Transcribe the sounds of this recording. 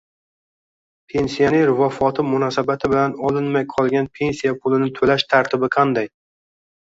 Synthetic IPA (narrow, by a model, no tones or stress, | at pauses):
pʰe̞nsijaneɾvɒfɒt̪ʰɪmʊnɒsabat̪ʰɪbɪlanɒlɪnmajqʰɒlˠɡʲanpʰe̞nsijapʰʊlɪnɪt̪ʰolaʃt̪ʰaɾt̪ʰɪbɪqʰɑnd̪aj